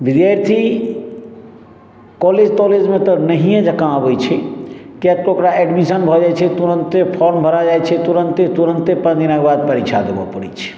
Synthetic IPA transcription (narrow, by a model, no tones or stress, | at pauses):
bid̪jaɾt̪ʰi | kɔled͡ʒt̪ɔled͡ʒmẽt̪ɔnəɦijẽd͡ʒəkãəbəjt͡ʃʰɛkekokɾaɛɖmisənbʱɔd͡ʒajt͡ʃʰɛt̪uɾənt̪epʰɔɾmbʱəɾad͡ʒajt͡ʃʰɛt̪uɾənt̪et̪uɾənt̪epəd̪inabad̪̚pəɾit͡ʃʰad̪ebɔ̰pəɾḭt͡ʃʰ